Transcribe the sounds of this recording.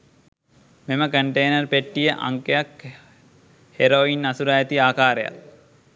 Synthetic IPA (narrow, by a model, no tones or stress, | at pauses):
meməkəɳʈejnɐrpeʈːijəʔa̰ŋkejak | heɾoinːasuɾajet̪iaːkaːɾeja̰l